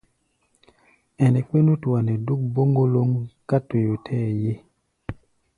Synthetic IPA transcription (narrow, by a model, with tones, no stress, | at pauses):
ɛ˨nɛ˨ke˦nu˦twa˨nɛ˨du˦k̚bo˦ŋɡo˦lo˦ŋka˦te˨jo˨tʰɛ˦˨je˦